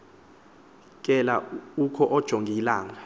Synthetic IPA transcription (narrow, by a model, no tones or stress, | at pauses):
k̬ʼɛlaukʰɔʔɔd̥ʒ̥ʱoŋɡʱilaːŋa